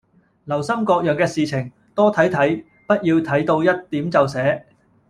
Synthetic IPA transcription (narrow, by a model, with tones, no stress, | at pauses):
lɐ˨˩wsɐ˥mkɔː˧k̚jœː˨ŋkɛː˧siː˨t͡sʰɪ˨˩ŋ | t̪ɔː˥t̪ʰɐ˨˥jt̪ʰɐ˨˥j | pɐ˥t̚jiː˧wt̪ʰɐ˨˥jt̪o˧wjɐ˥t̚t̪ːiː˨˥mt͡sɐ˨wsɛː˨˥